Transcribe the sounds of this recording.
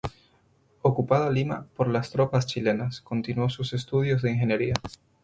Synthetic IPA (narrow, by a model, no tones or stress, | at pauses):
o̞kupað̞oalima̰po̞ɾlast̪ɾo̞past͡ʃile̞nasko̞nt̪inwo̞suse̞st̪uð̞jo̞zðeiŋxe̞njeɾia